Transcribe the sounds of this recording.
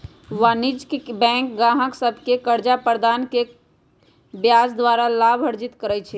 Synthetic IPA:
ʋanid͡ʒkbɛ̃ŋkɡãɦə̃ksəbʱkekəɾd͡ʒapəɾd̪aːnke | bjasd̪waɾalabʱəɾd͡ʒit̪kəɾɛt͡ʃʰɛ

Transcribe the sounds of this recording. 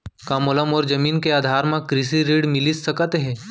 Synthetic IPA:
kãːmoləmɔːɾd͡ʒɐmiːnkeaːd̪ʱaːɾmãkɾɪsiɾiːɽmɪliɐkət̪ɦɛ̃ː

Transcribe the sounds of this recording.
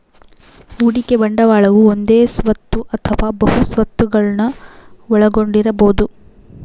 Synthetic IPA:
uːɽikebɐɳɖɐʋaːɭɐʋuond̪eːsʋɐt̪ːuʔɐt̪ʰɐʋaːbɐɦusʋɐt̪ːuɡɐɭɐnɐʋɔɭɐɡo̞ɳɖiɾɐboːd̪u

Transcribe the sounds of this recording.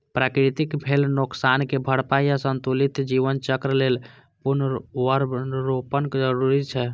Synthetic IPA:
pɾakɾit̪ikbʱelnoksankebʱəɽpajasənt̪ulit̪d͡ʒiʋənt͡ʃəkɾlel | punʋəɾbɾopənkd͡ʒəɾuɾit͡ʃʰɛ

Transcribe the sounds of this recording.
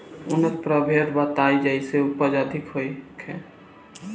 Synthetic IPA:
ʊnət̪̚pɾəbʱeɾbət̪aːid͡ʒaiseʊpəd͡ʒəd̪ʱɪkɦoikʰẽː

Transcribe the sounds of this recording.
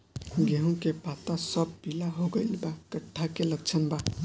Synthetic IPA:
ɡeɦũkepat̪asəbbilaɦoɡəɪlbakəʈʰːakeləɡ̚t͡ʃʰənba

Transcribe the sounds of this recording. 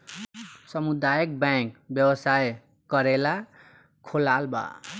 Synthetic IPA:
sʌmud̪ajʌk̚bakbjʌwʌsaj | kʌɾela | kʰolalba̰

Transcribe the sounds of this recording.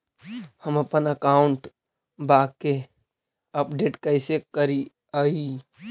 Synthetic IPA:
həməpənəkaʊɳʈ | bake | əpɖeːʈkəɪsekəɾi | ai

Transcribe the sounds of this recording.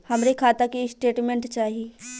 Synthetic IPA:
hɐmɾekʰaːt̪akisʈeːʈmẽɳʈt͡ʃaːɦiiː

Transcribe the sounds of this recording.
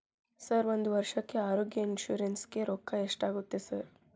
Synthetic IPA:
sɐɾʋond̪uʋɐɾʂɐkːe̞aːɾoːɡjɐinʃuːɾenske̞ɾoːkːɐeʂʈaːɡut̪ːesɐɾ

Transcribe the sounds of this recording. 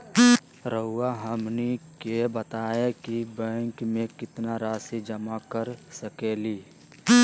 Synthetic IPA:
ɾəɦʊːaɦəmnikebət̪aːekibɛ̃ːŋkmẽkɪt̪naɾaːsid͡ʒəmakəɾsəkeːliː

